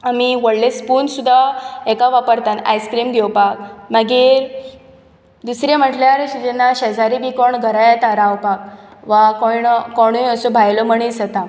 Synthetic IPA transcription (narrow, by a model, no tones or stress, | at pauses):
amiʋəɽlespunsud̪ʱːaɛkaʋapəɾt̪ana̰jskɾimɡʱɛwpakməɡiːɾ | d̪usɾem̤əʈljaɾɕit̪enːaɕəd͡zaɾibikɔɳɡʱəɾajat̪aɾawpak̚ʋakɔɳkɔɽ̃uəsobʱajlɔməɳ̃isət̪a